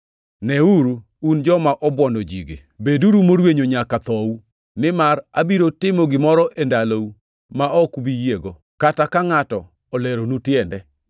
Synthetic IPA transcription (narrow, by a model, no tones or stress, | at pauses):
nɛuɾu | und͡ʒɔmaʔɔbwɔndod͡ʒiɡḛ | beduɾumoɾweɲoɲakat̪ɔu | nɪmarabiɾotɪmɔɡɪmɔɾɔʔendalou | maɔkbijeɡo | katakaŋatɔ | ɔlɛɾonutjɛndɛ